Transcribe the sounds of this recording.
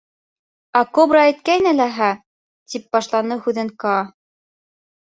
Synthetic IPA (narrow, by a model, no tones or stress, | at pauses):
ɑkobrɑːjt̪̚kæjnɘlæɦæ | t̪ip̚bɑʃlˠɑnɤhʉðɘŋkɑ